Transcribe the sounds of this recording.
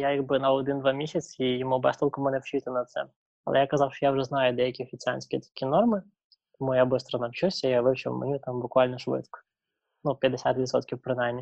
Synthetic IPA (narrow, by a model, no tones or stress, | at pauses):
jajaɡbɨnɐɔd̪ɨnd̪ʋamʲisʲɐt̪sijɪmubɛst̪ɔlʲˠkɐmɨnɛwt͡ʃit̪ʲɐnɐt̪sɛ̰ | ɐ̰lˠɛ̰jakɐzɑfʃɔjaʊʐɛznajʊd̪ɛjɐkʲifʲɪt͡sʲɪa̰nʲsʲkʲɪjt̪ɐ̥kʲinormɨ | t̪ɐmujabɨst̪ɾɐnɐwt͡ɕusʲɐiɐlˠɨɕɪ̰m̰nʲit̪ambʊkʋalʲnəʂʋɪ̰t̪kə̥ | nupʲjəd̪ːɪsʲa̰t̪ʋʲɪt̪sot̪kʲɪpɾɨnajnʲːɪ